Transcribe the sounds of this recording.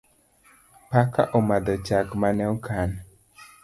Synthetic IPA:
paka̰ʔomad̪ɔt͡ʃakmanɛwkʰan

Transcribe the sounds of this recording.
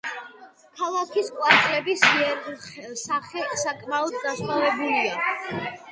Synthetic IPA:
kʰalˠakʰiskʼwat̪sʼlʼɛbisɛɾsaχɛsakʼmaɔd̪̚d̪aʃχavɛbulia

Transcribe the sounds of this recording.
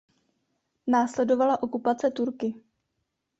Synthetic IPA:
naːslɛdo̞valaʔo̞kupat͡sɛt̪uɾkɪ

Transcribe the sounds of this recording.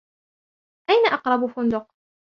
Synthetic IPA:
ʔajnaʔɑqɾˤɑbfʊnd̪ʊq

